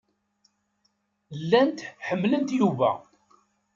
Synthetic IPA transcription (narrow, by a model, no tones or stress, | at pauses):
lːænt̪ħəmːlənt̪juvæ̰